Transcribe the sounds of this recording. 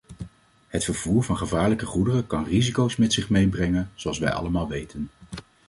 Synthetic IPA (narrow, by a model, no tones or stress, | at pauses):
ɦətfəɹv̥uːɹvɑnχəvaːɹləkəχudərəkɑnrizikowsmɛtsɪχmejbrɛŋənz̥owɑlˠsʋɛ̰jɑ̰ləmaːlˠʋejtʰən